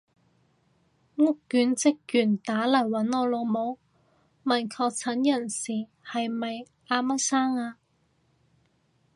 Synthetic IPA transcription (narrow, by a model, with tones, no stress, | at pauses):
ŋʊ˥kːyː˨˥nt͡sɪ˥kːyː˨˩nt̪aː˨˥lɐ˨˩jwɐ˨˥nɔː˧lo˨˧wmo˨˧w | mɐ˨˩nkʰɔː˧k̚t͡sʰɐ˨˥njɐ˨˩nsiː˨ | hɐ˨jmɐ˨j | aː˧ma˥saː˥ŋaː˧